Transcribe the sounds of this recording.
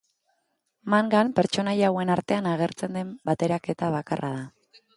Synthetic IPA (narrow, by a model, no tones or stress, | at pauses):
maŋɡampe̞ɾt͡ʃo̞najawe̞naɾt̪e̞anaɣ̞e̞ɾt͡se̞nd̪e̞mbat̪e̞ɾake̞t̪aβakarʔaða